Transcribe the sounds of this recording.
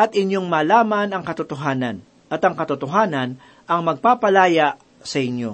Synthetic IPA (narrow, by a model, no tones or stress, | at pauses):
ʔɐt̪ɪɲjo̞ŋmaːlaːmɐnɐŋkɐt̪ʊt̪oɦaːnɐn | ʔɐt̪ɐŋkɐt̪ʊt̪oɦaːnɐn | ʔɐŋmɐɡ̚paːpɐlaːjaʔ | sɐʔɪnjo̞̰